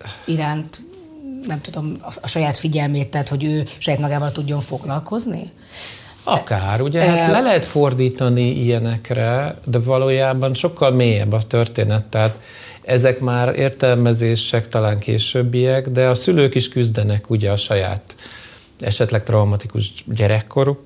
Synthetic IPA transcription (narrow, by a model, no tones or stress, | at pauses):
iɾaːnt̪ | nɛmt̪ud̪o̞mɒʃɒjaːt̪fiɟɛlmeːt̪ːɛːt̪ho̞ɟøːʃɒjaːt̪mɒɡaːvɒlt̪uɟːo̞ɱfo̞ɡlɒlko̞znḭ | ɒkaːɾuɟɛɦaːlɛlɛɦɛt̪fo̞rd̪iːt̪ɒniijɛnɛkrɛd̪ɛvɒloːjaːbɒnʃo̞kːɒlmeːjɛbːɒt̪ørt̪eːnɛt̪ːɛɦaːt̪ | ɛzɛkmaːɾḛːrt̪ɛlmɛzeːʃɛkt̪ɒlaːŋkḛːʃøbːijɛkd̪ɛɒsyløːkiʃkyzd̪ɛnɛkuɟɛɒʃɒja̰ːt̪ | ɛ̰ʃɛt̪lɛk̚t̪rɒumɒt̪ikuʒɟɛɾɛkʰːo̞ɾu